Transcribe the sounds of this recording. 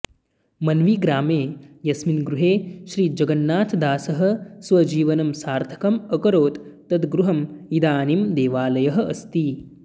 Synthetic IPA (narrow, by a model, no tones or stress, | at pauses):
mɐnʋiːɡɾaːmeːjɐsminɡɾuɦeːʃɾiːd͡ʒɐɡɐnːaːt̪ʰd̪aːsɐɦɐ̆sʋɐd͡ʒiːʋɐnɐmsaːɾt̪ʰɐ̥kɐmɐkɐɾoːt̪ː | ɐd̪ɡɾuɦɐmid̪aːnimd̪eːʋaːlɐjɐɦɐ̆ɐst̪i